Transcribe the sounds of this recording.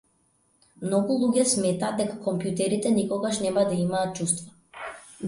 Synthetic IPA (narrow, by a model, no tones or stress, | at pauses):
mnɔɡulˠuɟʲɛsmɛt̪aːd̪d̪ɛkakɔmpjut̪ɛɾit̪ɛnikɔɡaʃnɛmad̪aimaːt̪̚t͡ʃust̪va